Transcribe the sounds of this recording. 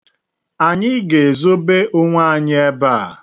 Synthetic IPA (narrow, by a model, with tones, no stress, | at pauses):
a˨ɲɪ˦ɡe˨e˨zo˦be˦ʔʊ˦ŋʷa˦a˨ɲɪ˦e˦ba˦˨